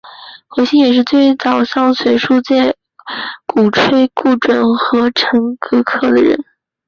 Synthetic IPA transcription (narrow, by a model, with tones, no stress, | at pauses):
xwe˧˥ɕi˥ŋjɛ˨˩ʂ̬ɻ̩˥˧t͡swe˥˩ɪt͡sɑ˨˩ʊʂjɑ˥˩ŋsʰwe˧˥ɪʂu˥˧t͡ɕjɛ˥˩ | ku˨˩ʈ͡ʂʰwe˥˧ɪku˥˩ʈ͡ʂwə˨˩nxɤ˧˥ʈ͡ʂʰə˧˥ŋkɤ˥kʰɤ˥˩d̪ə˩ɻə̰˧˥n